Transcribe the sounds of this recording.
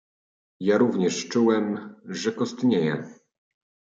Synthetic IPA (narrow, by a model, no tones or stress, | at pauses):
jaɾuvɲɛʂt͡ʂuwɛmʐɛkɔst̪ɲejɛ̰